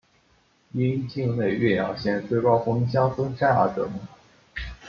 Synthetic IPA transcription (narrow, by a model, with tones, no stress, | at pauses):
i˥nt͡ɕi˥˧ŋne˥˧ɪɥɛ˥˩jɑ̰˨˩ɕjɛ˥˧nt͡swe˥˩ɪkɑ˥ʊfɤ˥ŋ˥ɕ̬jɑ˥ŋsɤ˥ŋʂa˥˩na̰˧˥ʈ͡ʂɤ̰˧˥mə˥˩